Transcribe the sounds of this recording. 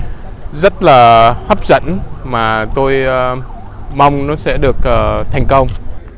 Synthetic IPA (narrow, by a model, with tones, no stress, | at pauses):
zə˦˥t̚laː˨˩ha˦˥p̚zə̰˧˥nmaː˨˩t̪o˧j | ma˧wŋ͡mnɔ˨˦sɛ̰˧˥ɗɨ˨˩ək̚ʔəː˨˩t̪ʰɛ˨˩jŋ̟kə˧wŋ͡m